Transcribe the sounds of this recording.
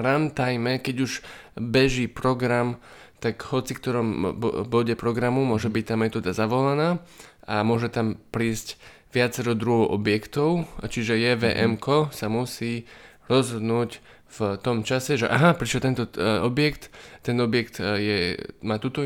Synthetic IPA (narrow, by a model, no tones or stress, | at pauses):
ɾant̪ajmɛkɛɟuʒbɛʒipɾɔɡɾam | t̪akɦɔt͡sikt̪ɔɾɔmbɔɟɛpɾɔɡɾamumʊɔʒɛbic̚t̪aːmɛt̪ɔːd̪azaʋɔlanaːamʊɔʒɛt̪ampɾiːsc | ʋɪat͡sɛɾɔd̪ɾuɦɔʊʔɔbjɛkt̪ɔʊt͡ʃiʒɛjɛʋɛ̰ʔɛmkɔsamusiː | ɾɔzɦɔd̪nuːc | ft̪ɔmt͡ʃasɛʒɛʔaɦapɾiʃɛlt̪ɛnt̪ɔɔbɪjɛkt̪ːɛnɔbɪjɛkt̪jɛmaːt̪uːt̪ɔ